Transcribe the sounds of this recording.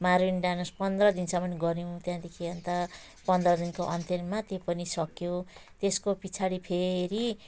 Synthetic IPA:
maɾinɖanʌspʌnd̪rʌd̪insʌ̃mʌnɡʌɾjũt̪jãd̪ekʰiʌnt̪a | pʌnd̪rʌd̪inkoʔʌnt̪ʌnmat̪epʌnisʌkjot̪eskopit͡sʰaɽipʰeɾi

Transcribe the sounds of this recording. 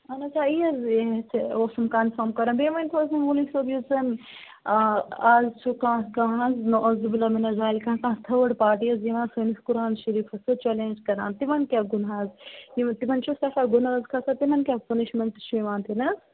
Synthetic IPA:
ɐnɐt͡ʃʰaijɐzet͡sʰoːsɐmkaːnfɐmkɐɾɐnbeːmɐnt̪ʰoːzɐnulisobjut͡sɐn | ɐzt͡ʃʰukãːkãːɦɐznoʔɐzibilɐminɐzaːlkãːkãːt̪ʰɐʋɐɽpaːʈiɐzjiʋãːnsoniskuɾaːnʃɐɾiːfɐsɨt͡ʃeːlẽːnd͡ʒkɐɾã̰ːnt̪imɐnkʲaɡunɦaːzit̪imɐnt͡ʃʰusɐkaɡunɐzkʰɐsʰɐt̪imɐnkʲapɐniʃmeɳʈt͡ʃʰuiʋãːnt̪ʰinɐz

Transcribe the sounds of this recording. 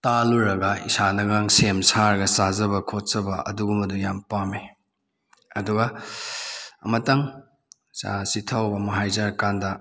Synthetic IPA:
taluɾɐɡɐḭsanɐɡaŋsemsaɾɐɡɐsazɐbɐkʰot̚sɐbɐɐ̰duɡumɐdujampame | ɐduɡɐ | ɐmɐtɐŋ | sa̰sitʰawbɐmɐɦajzaɾkandɐ

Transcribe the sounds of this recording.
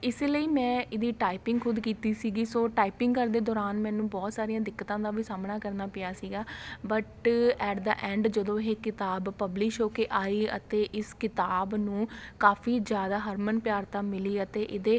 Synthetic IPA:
ɪseːləiːmɛ̃ːʔɪd̪iːʈaːipɪ̃ŋɡkʰʊd̪kiːt̪iːsiːɡiːsoːʈaːipɪ̃ŋɡkəɾd̪eːd̪ɔːɾaːnmɛ̃ːnũːbɔːt̪saːɾijãːd̪ɪkːət̪ãːd̪aːʋiːsaːmnaːkəɾnaːpɪjaːsiːɡaːbəʈɛːɖd̪a̰ːʔɛ̃ːɳɖd͡ʒəd̪õːɦeːkɪt̪aːbpəblɪʃɦoːkeːʔaːiːə̰t̪eːʔɪskɪt̪aːbnũːkaːfʰiːd͡ʒjaːd̪aːɦəɾmənpjaːɾt̪aːmɪliːət̪eːʔɪd̪eː

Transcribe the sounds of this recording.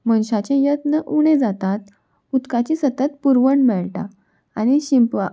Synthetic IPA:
mənɕat͡ɕɛ̃jət̪nəʔuɽ̃ẽd͡zat̪at̪̚ | ut̪kat͡ɕisət̪ət̪̚puɾʋəɳmɛɭʈa̰ | añiɕimpʋa

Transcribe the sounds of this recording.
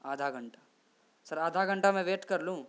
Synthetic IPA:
aːd̪ʱaɡɐ̃ɳʈḁ | sɐɾaːd̪ʱaɡə̃ɳʈamɛ̃ʋeːʈkɐɾlũː

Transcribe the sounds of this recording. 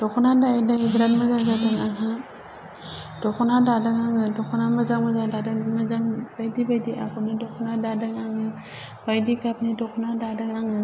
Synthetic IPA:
d̥ɔkʰɔnadaidaŋiɡɾatməzazadaŋaŋa | d̥ɔkʰɔnadadaŋaŋɯdɔkʰɔnaməzaŋməzadadaŋməd͡ʒaŋb̥ajdibajdiʔa̰kɔnidɔkʰɔnadadaŋaŋɯ | b̥ajdikapnidɔkʰɔnadadaŋaŋɯ

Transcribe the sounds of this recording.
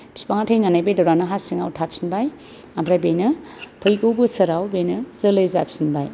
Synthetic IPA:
bi̥si̥paŋatʰajnanajbejdɔwɾanɯɦasiŋawtʰapsinbaj | ambʰɾajbejnɯpʰɯjɡowbɯsɐɾawbejnɯzɯlɯjza̰psinbaj

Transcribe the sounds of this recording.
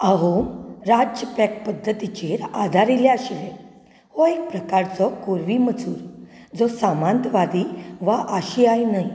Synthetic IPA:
aɦomɾad͡ʑjəpɛk̚pəd̪ʱːət̪it͡ɕeɾad̪ʱaɾiljaaɕiʋe | hɔek̚pɾəkaɾt͡sɔkoɾʋimət͡suːɾ | d͡zɔsamãnt̪ʋad̪iʋaʔəɕiajnaɦi

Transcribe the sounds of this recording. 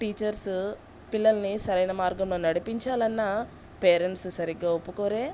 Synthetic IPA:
ʈiːt͡ʃɐɾs | pilːɐlɐnisɐɾɐjnɐmaːɾɡɐmloːnɐɽipiɲt͡ʃaːlɐnːɐ | peːɾeɳʈssɐɾiɡːaːopːukoːɾeː

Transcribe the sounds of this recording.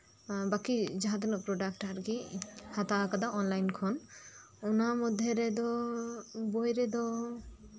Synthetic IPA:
bakid͡ʒaɦãt̪̬ɛnɔpɾɔɖak̚ʈaɾɡihat̪akad̪aʔɔnlajnkʰɔn | ɔnamɔd̪ʱːjɛɾɛd̪ɔ | bɔjɾɛd̪ɔ

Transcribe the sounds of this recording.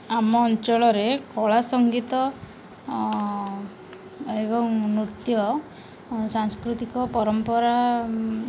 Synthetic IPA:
amɔːnt͡ʃɔɭɔɾekɔɭasɔŋɡit̪ɔ | ebɔŋmɾut̪jɔ | saŋskɾut̪ikɔpɔɾɔmpɔɾa

